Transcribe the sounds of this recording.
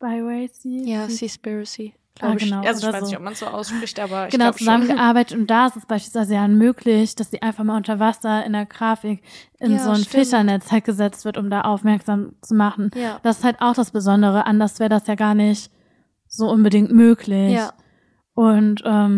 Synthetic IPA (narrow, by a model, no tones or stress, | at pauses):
b̥aɪwɛɪsijsispisi | ɡ̥laaːɡənaʊoːɐzoːɔpmansz̥oːʔa̰ʊsʃpʁ̥ɪçtʔaːbɐɡ̥ənaʊt͡suzamənɡəʔaɐbaɪtətʊntd̥aːɪstɛsb̥aɪʃpilsv̥aɪzəjanmøːklɪçd̥asz̥iːʔaɪnfaχmaːlʔʊntɐvasɐɪndeːɐɡʁaːfɪkʔɪnzoːnfɪʃɐnɛt͡shalt̚ɡ̥əzɛt͡stv̥ɪɐtʊmdaːʔaʊfmɛɐkz̥aːmt͡sumaχn̩jd̥asɪ̥sthaltʔaʊxd̥asb̥əzɔndəʁ̞əʔandɐsv̥ɛːʁədasjaːɡaːɐnɪçt | z̥oːʔʊnbədɪŋtmøːklɪ | ʔʊntʔɛːm